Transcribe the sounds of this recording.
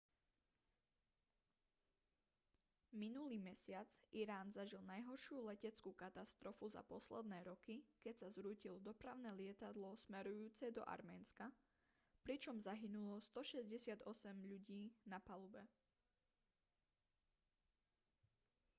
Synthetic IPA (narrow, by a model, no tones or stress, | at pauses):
minuliːmɛsɪad͡zʔiɾaːnzaʒilˠnajɦɔɾʃɪuːlɛcɛt͡skukat̪ast̪ɾɔfuza̰pɔslɛd̪nɛːɾɔkikɛcsazɾuːcilɔd̪ɔpɾaʊnɛːlɪɛt̪ad̪lɔsmɛɾujuːt͡sɛd̪ɔ̰ʔa̰ɾmɛːnska | pɾit͡ʃɔmzaɦinulɔst̪ɔʃɛzɟɛsɪad̪ɔsɛmʎuɟiːnapalubɛ